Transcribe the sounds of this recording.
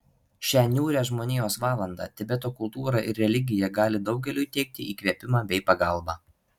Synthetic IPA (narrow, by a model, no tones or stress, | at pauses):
ʃʲæːnʲuːɾʲæːʒmoːnʲeːjoːsʋɑːlˠɐnd̪ɑ̰ːt̪ʲɪbʲɛt̪oːkʊlˠt̪uːɾɑʔɪɾɾʲɛlʲɪɡʲɪjɛɡɑːlʲɪd̪ɒʊɡʲɛlʲuːt̪ʲɛɪk̚t̪ʲɪiːkʋʲiɛpʲɪmɑːbʲɛɪpɐɡɐlˠbɑː